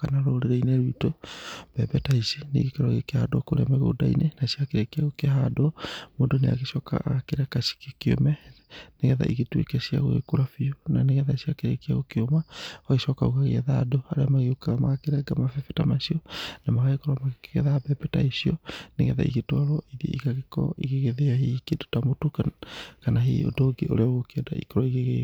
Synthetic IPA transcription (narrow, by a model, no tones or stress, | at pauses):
kanaɾoːɾeɾɛinɛɾitɔb̥ɛbɛtaisinḛɣekɛɾɔɣekehadɔkoɾeamɛɣo̰da̰ḭnenasiakeɾekiaɣokeɦadɔmondɔnea̰ɣeʃɔka̰ɣakeɾakasi̥kekio̰mɛneɣɛða̰ʔiɣetwḛkɛsia̰ɣo̰ɣḛkoɾafiunaneɣɛðasiakeɾḛkiaɣokeomawaɣeʃɔkauɣaɣḛɛðadoaɾeamaɣeokaɣamaɣakeɾɛɡamafɛfɛtamasiɔnamaɣaekɔɾamakeɣɛðabɛpɛta̰isiɔneɣɛða̰ḭɣetwaɾɔiðjɔ̰ʔiɣaɣekɔ̰iɣeɣeðeahikedo̥tamotokanaɦḭo̰dɔɡeʔo̰ɾeaoɣokeɛda̰ʔḭkɔɾɔiɣeɣe